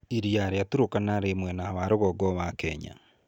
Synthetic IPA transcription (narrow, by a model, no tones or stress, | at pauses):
iɾiaɾeatuɾokanaɾemwɛnaβaɾoɣɔɡɔβakɛɲa̰